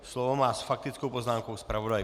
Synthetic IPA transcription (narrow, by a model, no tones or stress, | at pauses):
slɔvomaːsfak̚t̪ɪt͡skowpoznaːmkowspɾavodaj